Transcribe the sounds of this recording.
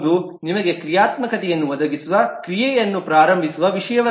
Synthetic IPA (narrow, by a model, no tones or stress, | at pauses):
d̪u | nimɐɡe̞kɾijaːt̪mɐkɐt̪ɛjɐnːuʋɐd̪ɐɡisuʋɐkɾijɛjɐnːupɾaːɾɐmbʱisuʋɐʋiʂɐjɐʋɐ